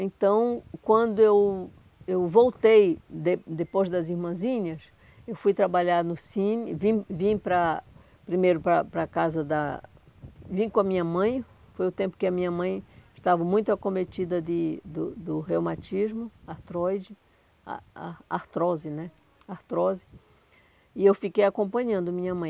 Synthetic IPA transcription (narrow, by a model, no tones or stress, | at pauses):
ẽnt̪ɐ̃w̃kwɐ̃nd̪ʊew | ewvowt̪ejd̪ed̪epojzd̪ɐzimɐ̃zĩɲɐs | ewfujt̪ɾabaʎaɾnʊsĩnɪvĩvĩpɾɐ | pɾimejɾʊpɾɐpɾɐkazɐd̪ɐ | vĩkõɐmĩɲɐmɐ̃j̃ | fojʊt̪ẽmpʊ̥kɪɐmĩɲɐmɐ̃j̃ɪʃt̪avɐmũj̃t̪ʊakõmet͡ʃ̪id̪ɐd̪ɪd̪ʊd̪ʊɦewmat͡ʃizmʊaht̪ɾɔjd͡ʒɪ | a̰at̪ɾɔzɪnɛ | aht̪ɾɔzɪ | iewfikejakõmpɐ̃ɲɐ̃nd̪ʊmĩɲɐmɐ̃j̃